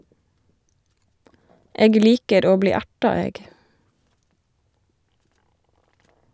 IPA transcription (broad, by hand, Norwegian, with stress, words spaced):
ˈeːɡ ˈliːkəɾ ˈoː ˈbliː ˈæʈɑ ˈeːɡ